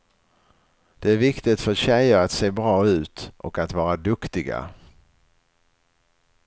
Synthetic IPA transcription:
d̪̥ɛæɾvɪkt̪ɪt̪fœɾɕɛjəɾat̪seːbɾɑːʉ̟ːt̪ʔɔ̰kat̪vɑːɾad̪ɵkt̪ɪɡa̰

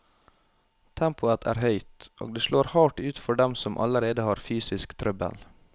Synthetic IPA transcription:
t̪ʰɛmpʊət̪ʰæ̰ːɾhœʏt̪ʔo̰ːɡ̚d̪eːʃɭoːɾhɑːʈʉːt̪fɔɖɛmsɔmʔɑ̰ləɾeːd̪əhɑːɾfyːsɪskt̪ʰɾœbə̰l

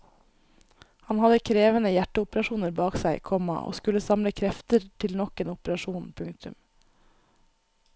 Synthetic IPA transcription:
hɑnhɑd̪əkʰɾeːʋənəjæʈːəʊpəɾɑʃuːnəɾbɑːksæɪkʰɔmɑ̰ʔo̰ːskʉləsɑmləkʰɾɛft̪əɾt̪ʰɪlnɔkeːnʊpəɾɑʂuːnpʰʉŋk̚t̪ʰʉ̰m

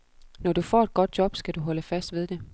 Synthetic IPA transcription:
nɒd̥ufɒ̰ːed̥̚ɡ̥ɒ̽d̥̚jɒ̽b̥sɡ̥æd̥uɦɒ̽ləfæsd̥ʋe̝ð̞ˠd̥e̝

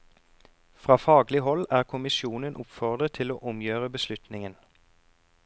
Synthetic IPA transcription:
fʁɑːfɑːɡlɪɦɔlæːʁkʰʊmɪsjuːnənʔʊpfɔʁd̪ʁət̪ʰɪloːʔʊmjøːʁəbəslʉt̪nɪŋən

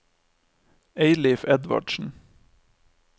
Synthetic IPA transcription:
eɪlɪfɛd̪ʋɑ̰ɖʃn̩

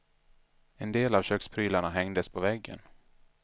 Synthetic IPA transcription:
ɛnd̪eːlavɕøːkspʰɾyːlaɳaɦɛŋd̪əspʰɔvɛɡːə̰n

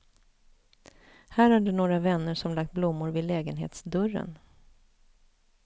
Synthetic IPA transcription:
hæːɾhaɖɛnoːɡɾavɛnːəʂɔmlak̚t̪̚blʊmːʊɾvɪd̪lɛːɡənɦḛːt̪sd̪ɵrə̰n

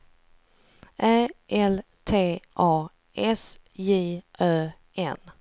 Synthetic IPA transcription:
ʔæːʔɛl | t̪ʰeːʔɑː | ɛsjiːʔœː | ɛ̰n

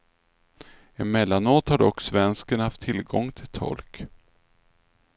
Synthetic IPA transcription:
ɛnmɛlːanoːt̪haɖɔkːsvɛnskənhaft̪ʰːɪlɡɔŋːt̪ʰɪlt̪ʰɔ̰lk

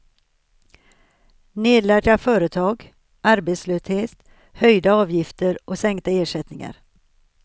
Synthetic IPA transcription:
neːd̪læːɖafœːɾət̪ʰɑːɡ | ʔaɾbet̪sløːsheːt̪ | hœjd̪aɑːvjɪft̪əɾʔɔsɛŋkt̪aeːʂɛt̪nɪŋa̰ɾ

